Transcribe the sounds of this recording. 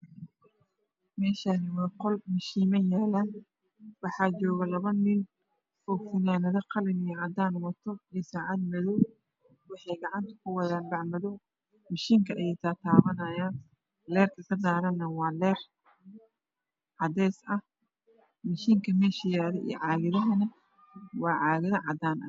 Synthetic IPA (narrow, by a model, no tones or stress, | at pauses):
mɛːʃaːnɪwɑːqɔlmɪʃiːmɐnjaːlan | wɑħɑːt͡ʃɔːɣɐlɐβɐnɪn | ɔːfɪnaːnɐðɐqɑlɪnɪjʕɑd̪aːnwɐt̪ʰɔisaːʕɑd̪̚mɐðuː | wɑħɑjɡɑʕɑnt̪ʰɐ̥kʰʊwɑðaːnbɑʕmɐðɔ | mɐʃiːŋkʰɐʔɐjɛt̪ʰaːt̪ʰaːβɐnɐjaːn | lɛːrk̪ʰɐkʰɐd̪aːɾɐnːɐwɑːlɛːr | ʕɑd̪ɛːsɐh | mɐʃiːŋkʰɐmɛːʃɪjaːðɛʔḭj̰ʕɑːɣɪðɐɦɐnɐ | wɑːʕɑːɣɪðɐʕɑd̪aːnʔɐ̰